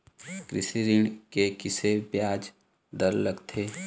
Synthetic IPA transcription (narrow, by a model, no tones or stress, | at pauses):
kɾɪsiɾɪɳkekɪsebjaːd͡ʒ | d̪əɾləɡt̪ʰeː